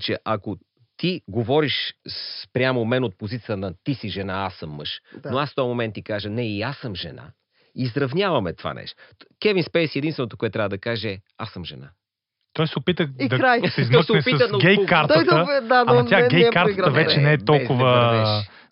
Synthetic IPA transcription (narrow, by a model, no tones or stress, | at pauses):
t͡ʃɛʔɐko | t̪iɡovɔɾiʃspɾʲjamomɛnot̪̚pozit̪sʲiəənɐt̪isiʒɛnaasːəmːɤ̰ʃnoasft̪ɔjmomɛnt̪ːikaʒənɛiasːəmʒɛ̰na̰ | izɾɐvnʲjavɐmɛt̪ova̰nɛ̰ʃt̪okɛvinspɛjsiɛd̪inst̪vɛnot̪okoɛt̪t̪ːɾʲavəd̪ɐkaʒɛɛ | asəmʒɛna̰ | t̪ɔjsɛopit̪əid̪ɐkɾajszmɔsɛpit̪əɐɡɛjkaɾt̪ɔj̪əd̪adat̪jaɡʲɛjɛpkːaɾtiəɡɾɐvɛt͡ʃɛnɛɛt̪ɔlkʊvəɛʃ